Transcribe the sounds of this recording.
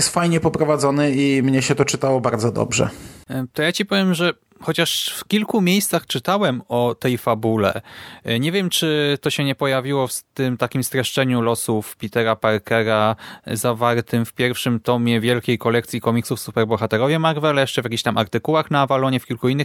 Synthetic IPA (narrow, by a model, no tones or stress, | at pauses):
jɛst̪fajɲɛpɔpɾɔvad̪zɔnɘimɲɛɕɛt̪ɔt͡ʂɘt̪awɔbaɾd̪zɔd̪ɔ̰bʐɛ̰t̪ɔjat͡ɕipɔvʲjɛmʐɛ | xɔt͡ɕaʂfkʲilkumʲjejst̪saxt͡ʂɘt̪awɛmɔt̪ɛjfabulɛ̰ɲɛvʲjɛmt͡ʂɘt̪ɔɕɛɲɛpɔjavʲiwɔft̪ɘmt̪akʲimst̪ɾɛʂt͡ʂɛɲulɔsufpʲit̪ɛɾapaɾkɛɾazavaɾt̪ɘmfpʲjɛɾfʂɘmt̪ɔmʲjɛvʲjɛlkʲejkɔlɛkt̪sʲjikɔmʲiksufsupɛɾbɔxat̪ɛɾɔvʲjɛmaɾvɛlɛjɛʂt͡ʂɛvʲjakʲiɕt̪amʔa̰ɾt̪ɘkuwaxnaːvalɔɲɛfkʲilkuinːɘx